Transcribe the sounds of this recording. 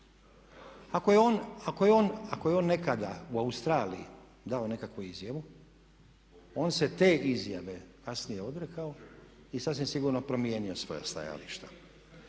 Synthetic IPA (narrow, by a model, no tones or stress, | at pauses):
akoeonakojeonakoje̞o̞ːnːe̞kad̪auaust̪ɾaːlḭjḭ | d̪ao̞ne̞kakʋuizjaʋu | o̞ːnse̞t̪e̞ːʔizjaʋe̞kasnije̞o̞d̪ɾekao̞ | isasʋimsiɡuːɾno̞pɾo̞mije̞ːnio̞sʋo̞̰ja̰st̪a̰ja̰liʃt̪ḁ